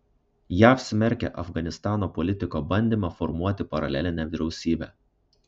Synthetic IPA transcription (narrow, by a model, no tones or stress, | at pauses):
jæɐpʲsʲmʲɛɾʲkʲɛ̰ʔɐfɡɐnʲɪst̪ɑːnoːpɔlʲɪt̪ʲɪkoːbɐnʲd̪ʲiːmɑfɔɾmuɔt̪ʲɪpɐɾɐ̰lʲæ̰lʲɪnʲɛʋʲɪɾʲɛʊsʲiːbʲæ̰ː